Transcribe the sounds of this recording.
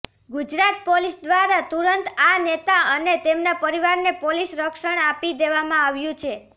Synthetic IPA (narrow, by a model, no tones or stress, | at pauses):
ɡud͡ʒɾat̪polisd̪ʋaɾat̪uɾənt̪anet̪aənet̪emnapəɾiʋaɾnepolisɾəkʃəɳ̃apid̪eʋamãaʋjũt͡ʃʰe